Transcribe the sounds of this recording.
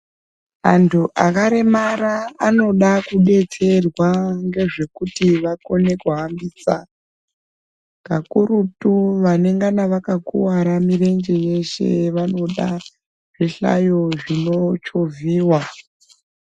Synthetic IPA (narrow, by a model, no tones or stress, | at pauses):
antʰuʔakaɾemaɾaːno̞ɗakuɗe̞t͡se̞rwaŋɡe̞ʐe̞kutiʋako̞ne̞koɦambiːsa | kakuɾutuʋane̞ŋɡanaʋakakuwaɾamiɾe̞nd͡ʒeje̞ʃe̞̰ʋano̞ɗa | ʐ̥eɬa̰jo̞ʐino̞t͡ʃoviːwa